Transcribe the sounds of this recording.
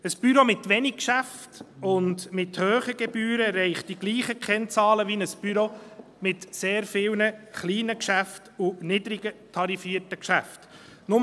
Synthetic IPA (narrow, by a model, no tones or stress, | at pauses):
əsb̥yɾomɪtʋɛnɪkkʃæftʊndmɪthøːχəɡ̥ɛbyːɾəɾɛɪχt̚d̥iɡ̥liːχəkʰχɛnt͡sɑːləʋinəsb̥yɾo | mɪtseːɾfɪwnəχliːnəkʃæftunɪdɾɪɡətʰɑɾifiːəɾtəkʃæft | nʊm